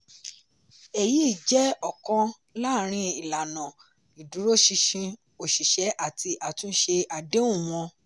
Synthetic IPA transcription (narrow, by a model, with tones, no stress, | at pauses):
e˨ji˨˦i˦˨d͡ʒɛ˦ɔ˦˨kɔ̃˧ | laː˦˨ɾ̃ĩ˧i˨la˨nã˨ | i˨du˨˦ɾo˦ʃi˧ʃĩ˧ | o˨ʃi˨ʃɛ˨˦ʔa˦˨tʰi˧ʔa˨tũ˦ʃe˧a˨de˨˦ũ˦˨w̃ɔ̃˧